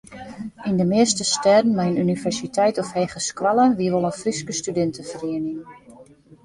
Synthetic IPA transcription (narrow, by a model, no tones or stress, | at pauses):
indəmɪəstəstɛdən̩mɛjənynivɛrsitʰɛjtɔfhejχəskwalˠəʋiəʋolˠənfriskəstydɪntəfəriənɪŋ